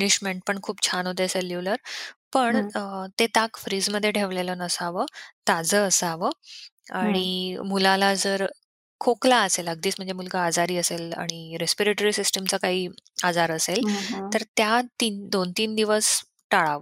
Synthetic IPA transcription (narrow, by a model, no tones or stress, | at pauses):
niɕmeɳʈ̚pəɳkʰuːp̚t͡ɕʰanɦot̪̬əjəselːiʋləɾpəɳt̪et̪akfɾiːd͡zməd̪ʱːjeʈʰeʋlelənəsaʋəːt̪ad͡zəəsaʋə | aɽ̃imulalad͡zəɾ | kʰoklaəseləɡ̚d̪iːt͡sm̤əɳd͡zemulɡəad͡zaɾiːəsela̰ɽ̃iɾespiɾeʈoɾisisʈəmt͡səkaɦiːad͡zaɾəselt̪əɾt̪jat̪iːnd̪ont̪iːnd̪iʋəs | ʈaɭaʋə